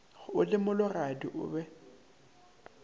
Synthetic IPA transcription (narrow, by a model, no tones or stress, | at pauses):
ɣʊlɪmʊlʊradiʔʊ̰ːbɛ